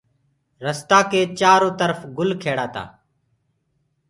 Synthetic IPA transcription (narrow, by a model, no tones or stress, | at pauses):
ɾəst̪aːkeːt͡ʃaːɾõːt̪əɾfɡʊlkʰeːɽaːt̪a̰ː